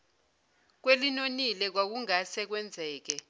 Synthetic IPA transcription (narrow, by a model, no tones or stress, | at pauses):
k̬welinonilɛk̬wak̬uŋasɛk̬wɛnd͡zʱɛːk̬ɛ